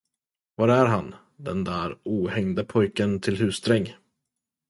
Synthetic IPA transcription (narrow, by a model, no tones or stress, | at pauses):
vaɾæɾɦan | d̪ɛnd̪æːɾuːhɛŋd̪əpʰɔjkənt̪ʰɪlɦʉ̟ːsd̪ɾɛŋː